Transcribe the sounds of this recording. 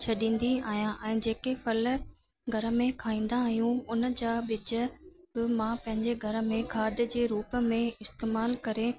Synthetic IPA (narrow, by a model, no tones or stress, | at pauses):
t͡ɕʰɐɗĩːn̆d̪iaːɦijãʔɛ̃ːd͡ʑeːkefɐlə | ɡʱɐɾəmẽkʰaːĩːn̆d̪aːɦijũʊnd͡ʑaːɓɪd͡ʑə̆ | bɪmãpɐ̃ɦɪ̃ɲd͡ʑeɡʱɐɾə̆mẽkʰaːd̪ʱəd͡ʑeːɾuːpmẽɪst̪eːmaːlkɐɾe